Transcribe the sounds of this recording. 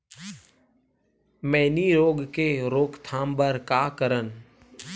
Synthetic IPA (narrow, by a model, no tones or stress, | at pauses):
mɛ̃ːniɾoːɡkeɾoːkt̪ʰaːmbəɾkaːkəɾən